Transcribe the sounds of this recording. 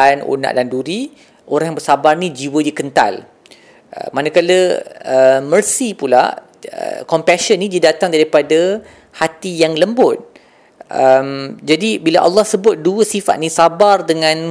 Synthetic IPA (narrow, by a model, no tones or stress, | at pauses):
anṵna̰ʔdanduɾi | ʔoɾaŋjaŋbərsabarnĩd͡ʒiwədikənt̪a̰l | ʔə̰manəkaləəmərsipula̰ | ə̰kɔmpɛsənːĩdidat̪aŋdaɾipada | hat̪ijaŋləmbʊt̪̚ | ʔəmd͡ʒadibilaʔa̰lːɑhsəbʊt̪̚duəsifa̰t̪̚nisabardəŋãn